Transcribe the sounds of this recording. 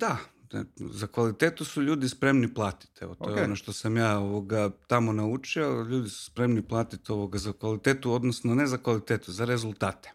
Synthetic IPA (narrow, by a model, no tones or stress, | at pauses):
d̪a̰ | zakʋalit̪eːt̪usuʎuːd̪ispɾe̞mniplˠaːt̪i̥t̪ḛʋot̪ojeonoʃt̪o̞samjaːo̞ʋo̞ɡat̪amo̞naut͡ʃioʎuːd̪isu̥spɾe̞mniplˠaːt̪it̪o̞ʋoɡazakʋalit̪eːt̪uo̞d̪nosnone̞zakʋalit̪eːt̪uzaɾe̞zulˠt̪aːt̪e̥